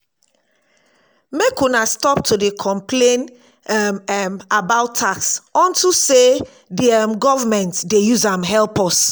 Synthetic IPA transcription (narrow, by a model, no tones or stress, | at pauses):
mekunastɔp̚tʰodekʰɔ̃mplẽn | mmabaʊtʰːaksɔ̃ntuse | diɛmɡɔvamɛ̃ntdejuzãmɦɛlpɔs